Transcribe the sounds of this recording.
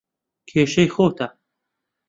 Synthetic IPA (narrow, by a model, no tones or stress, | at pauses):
kʰeːʃɐjxoːt̪ʰa